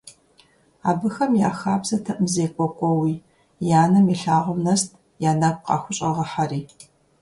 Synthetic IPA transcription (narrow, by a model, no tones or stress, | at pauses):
aːbɨxɐmja̰ːxaːbzɐtʰɐʔmzeːkʷʼɔkʷʼɔwiː | jaːnɨmiɬaːʁəmnɐst̚ʰ | jaːnakʷqɑ̰ːxʷʊɕʼɐʁɐħariː